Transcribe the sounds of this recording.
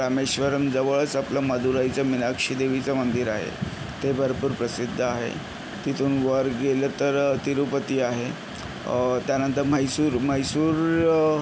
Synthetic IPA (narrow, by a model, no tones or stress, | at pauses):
ɾameɕʋəɾəmd͡zəʋəɭt͡saplaməd̪ʱuɾajt͡samilakʂiːd̪eʋit͡samənd̪iɾaɦḛ | t̪ebʱəɾpuːɾpɾəsid̪ʱːaɦḛ | t̪it̪ʰuːnʋəɾɡelət̪əɾt̪iɾupət̪iːaɦe | t̪janənt̪əɾməjsuːɾməjsuːɾ